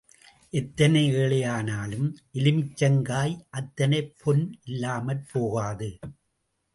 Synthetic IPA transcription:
ʔɛt̪ːɐnɐɪeːɭɐjaːnaːlɯmʔɪlɪmɪt͡ʃːɐŋɡaːjʔɐt̪ːɐnɐɪpʰɔnɪlːaːmɐlpoːɣaːðɯ

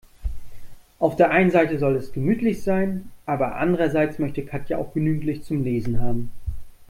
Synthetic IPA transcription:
ʔaʊfd̥eːɐʔaɪnənzaɪtəzɔlɛsɡ̥əmyːtʰlɪçz̥aɪnʔaːbɐʔa̰ndəʁɐzaɪt͡smœçtəkʰatʰjaa̰ʊxɡ̥ənyːɡŋ̩tlɪçt͡sʊmleːzn̩ɦaːbm̩

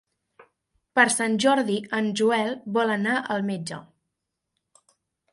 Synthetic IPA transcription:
pəɾsanʲʒɔɾðiənʒuɛlˠbɔlənaʔəlˠmed͡ʒə

